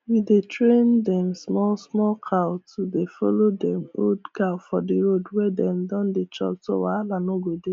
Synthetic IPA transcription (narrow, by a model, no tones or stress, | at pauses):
widetɹẽndɛmsmɔlsmɔlkʰawtudefɔlodɛmodkaʊfɔdiɾodwɛdɛ̃mdɔ̃ndet͡ʃɔ̰ktowalanoɡode